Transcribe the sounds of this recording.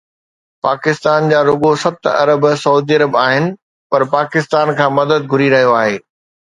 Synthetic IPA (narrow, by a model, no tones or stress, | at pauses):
paːkɪst̪aːnd͡ʑaːɾʊɡosɐt̪ɐ̰ɾəbsɐuːd̪iːɐɾəbaːɦɪnɪ̆ | pɐɾpaːkɪst̪aːnkʰãːmɐd̪əd̪̚ɡʱʊɾiɾɐɦijoaːɦeː